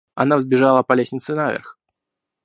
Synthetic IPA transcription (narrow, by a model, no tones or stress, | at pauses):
ɐnavzbʲɪʐalˠəpɐlʲesʲnʲɪt̪sɨnavʲɪ̰rx